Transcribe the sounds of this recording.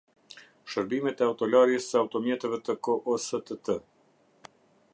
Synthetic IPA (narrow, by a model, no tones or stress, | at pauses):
ʃəɾbimɛt̪ɛawt̪ɔlaɾjəsəawt̪ɔmjɛt̪ɛvɛt̪əkɔʔɔsət̪ət̪ə